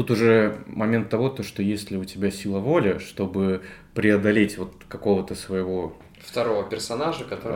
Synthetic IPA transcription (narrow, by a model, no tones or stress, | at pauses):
t̪ut̪ʊʐɛmɐmʲent̪ːɐvo̞t̪oʂt̪ojesʲlʲɪʊtʲɪbʲasʲilˠəvo̞lʲɪʂt̪o̞bɨ | pɾʲɪɐd̪ɐlʲetʲvo̞t̪kɐko̞vət̪əsvəjɪvo̞ | ft̪ɐɾo̞vəpʲɪrsɐnaʐəkɐt̪o